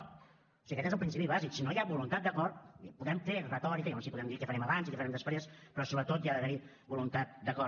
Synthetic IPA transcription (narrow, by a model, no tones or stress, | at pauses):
osiɣəkɛt̪ezəlˠpɾinsipiβaziksinojabulunt̪at̪̚d̪əkɔɾt̪puðɛmt̪eerət̪ɔɾikəjaonsipuðɛmd̪ikɛfəɾɛməβanzikɛfəɾɛmd̪əspɾespɾɔsoβɾət̪ot̪jaðəβəni | bulunt̪at̪̚d̪əkɔ